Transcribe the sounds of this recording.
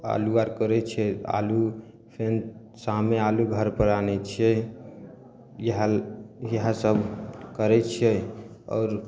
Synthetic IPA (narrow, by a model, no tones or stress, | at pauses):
a̰luaɾkəɾɛt͡ʃʰɛa̰lu | pʰen | samealuɡʱəɾpəɾanɛt͡ʃʰɛ | jɦjəɦasəbʱkəɾɛt͡ʃʰɛ | ɔ̰ːɾ